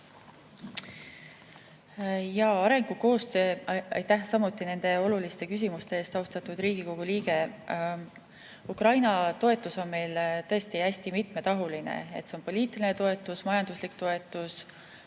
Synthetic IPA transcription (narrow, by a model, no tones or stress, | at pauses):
jɑɑɾe̞ŋɡ̥uko̞ːst̪ø̞ːɑ̰jt̪ːæhsɑmut̪ːˑine̞nd̪̥e̞o̞lulist̪e̞kys̬ʲimust̪e̞eːst̪ɑust̪ɑt̪ud̪ɾiːɡiko̞ɡ̥uliːɡe̞ | ukrɑjnɑt̪o̞e̞t̪ːˑuso̞nme̞jlt̪ɤe̞st̪iæsʲt̪imit̪me̞t̪ɑɦulinḛe̞t̪se̞npo̞lʲiːt̪ˑiline̞t̪o̞e̞t̪ːˑusmɑjɑnd̪̥uslikt̪o̞e̞t̪ːˑus